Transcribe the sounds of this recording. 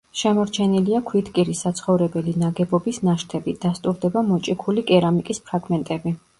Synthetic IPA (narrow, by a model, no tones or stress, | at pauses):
ʃɛmɔɾt͡ʃʰɛniliakʰwit̪ʰkʼiɾisat̪sʰχɔvɾɛbɛlinaɡɛbɔbisnaʃt̪ʰɛbid̪̥ast̪ʼuɾd̪ɛbamɔt͡ʃʼikʰulikʼɛɾamikʼispʰɾaɡmɛnt̪ʼɛbi